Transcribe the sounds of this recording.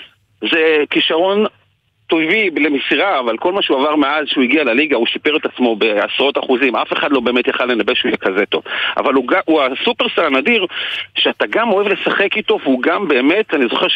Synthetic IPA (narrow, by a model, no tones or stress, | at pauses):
ze̞kiʃaʁo̞n | tojviblemisiʁaːvalko̞lmaʃeuavaʁmeazʃeuiɡialaliɡauʃipeʁet̪at͡smo̞be̞a̰sʁo̞taχuzimʔafeχad̪lo̞be̞emetjaχale̞nabeʃeujɛkazeto̞̰va̰valuɡauasupeʁsaʁanadiʁʃeataɡamoevle̞saχe̞kito̞vuɡambe̞ːme̞tanizo̞χeʁ